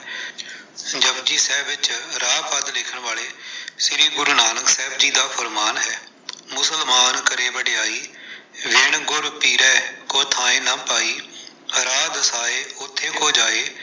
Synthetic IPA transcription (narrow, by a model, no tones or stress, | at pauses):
d͡ʒəbd͡ʒiːsɛːbɪt͡ʃɾaːpəd̪lɪkʰəɳʋaːleːsɪɾiːɡʊɾnaːnəksɛːbd͡ʒiːd̪aːpʰəɾmaːnɦɛː | mʊsəlmaːnkəɾeːbəɖeːaːiːʋɪɳɡʊɾpiːɾɛːkoːt̪ʰaːẽːnãːpaːiː | ɾaːd̪əsaːeːʊt̪ʰːeːkoːd͡ʒaːeː